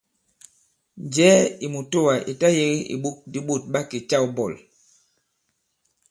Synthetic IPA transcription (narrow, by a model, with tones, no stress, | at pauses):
nd͡ʒɛ˦i˨mu˨to˦wa˨ʔḭ˨ta˦je˦ɣi˦ḭ˨ɓu˦k̚di˦ɓo˦˨t̚ɓa˦ki˨t͡ʃa˦˨wbɔ˦˨l